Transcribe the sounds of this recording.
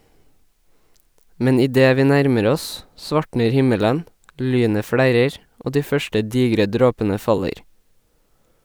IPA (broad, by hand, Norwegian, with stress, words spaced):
ˈmɛn ɪˈdeː ˈʋiː ˈnæɾməɾ ˈɔs ˈsʋɑʈɳəɾ ˈhɪmələn ˈlyːnə ˈfɽæɾəɾ ˈʔoː ˈdiː ˈfœʃʈə ˈdiːɡɾə ˈdɾoːpənə ˈfɑləɾ